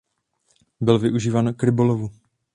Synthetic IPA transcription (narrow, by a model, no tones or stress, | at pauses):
bɪlvɪʔuʒiːvaːnkɾɪbolovu